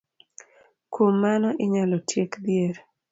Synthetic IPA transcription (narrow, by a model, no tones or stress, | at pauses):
komːanɔʔɪɲalɔtʰjekd̪ɪjeɾ